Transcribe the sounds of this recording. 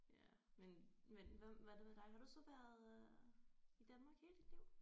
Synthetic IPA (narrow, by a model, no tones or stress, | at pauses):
jæ | menmenʋæmʋæd̥emed̥ɑ̈ɪhɑ̈ɾ̥usɒ̽ʋæɐ̰ðˠ | id̥ænmɑ̈ːɡ̥he̝ːləd̥id̥liʊ̰